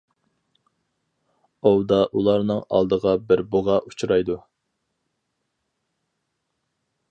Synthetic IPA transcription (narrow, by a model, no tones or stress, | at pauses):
owd̪ɑʔulˠɑɾnɨŋɑ̰lˠd̪əʁɑbɪɾbʊʁɑʔut͡ʃʰuɾɑjd̪u